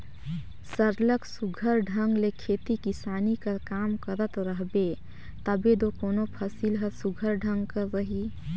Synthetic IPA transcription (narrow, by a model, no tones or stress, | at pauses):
səɾləksuɡʱəɾɖʱəŋɡlekʰet̪ikisanikəɾkamkəɾət̪ɾəɦbe | t̪əbed̪okonopʰəsilɦəsuɡʱəɾɖʱəŋɡkəɾəɦi